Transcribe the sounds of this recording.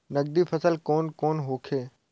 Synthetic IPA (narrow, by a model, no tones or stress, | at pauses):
nɐɡ̚d̪ipʰəsəlkoːnkoːnɦoːkʰeː